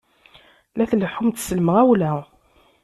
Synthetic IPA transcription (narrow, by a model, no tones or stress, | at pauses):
læθləħumt̪səlməʁæwlæ